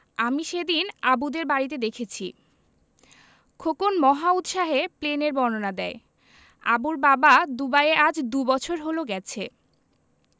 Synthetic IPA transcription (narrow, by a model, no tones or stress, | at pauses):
amiʃed̪inabud̪eɾbaɾit̪̬ed̪ekʰet͡ɕʰi | kʰokonmɔɦaut̪ʃaɦepleneɾbɔnonad̪ɛe | a̰buɾbabad̪ubaead͡ʑd̪ubɔt͡ɕʰoɾɦoloɡɛt͡ɕʰe